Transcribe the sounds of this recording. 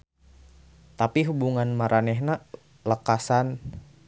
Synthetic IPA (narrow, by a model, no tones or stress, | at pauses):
t̪apiɦubuŋanmaɾʔanɛɦna | ləkasan